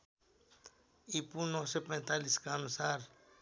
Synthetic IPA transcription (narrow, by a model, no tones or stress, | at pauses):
ipunosepẽt̪aliskansaɾ